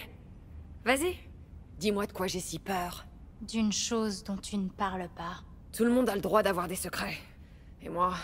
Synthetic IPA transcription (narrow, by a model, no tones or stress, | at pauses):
vazi | d̪imwad̪əkwaʒesipœːʁ | d̪ynʃozd̪ɔ̃t̪ynəpaʁlpa | t̪ʰuləmɔ̃d̪aləd̪ʁwad̪avwaʁd̪esəkχɛ | emwa